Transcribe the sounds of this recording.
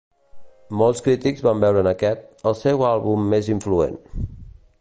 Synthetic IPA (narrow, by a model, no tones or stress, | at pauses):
mɔlˠskɾit̪iɡzβambɛwɾənəkɛt̪̚əlˠsɛwalˠβumːeziɱfluḛn